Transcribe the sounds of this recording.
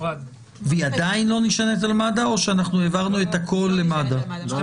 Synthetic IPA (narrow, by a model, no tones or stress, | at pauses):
viadainlo̞niʃanet̪̬almadao̞ʃeanaχnuevaʁnue̞t̪hakʰo̞lːe̞mada